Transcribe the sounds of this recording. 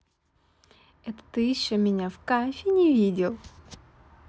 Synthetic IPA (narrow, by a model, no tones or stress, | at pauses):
ɛt̪ə̥t̪ɨjɪɕːomʲɪnʲafkafʲɪnʲɪvʲidʲɪlˠ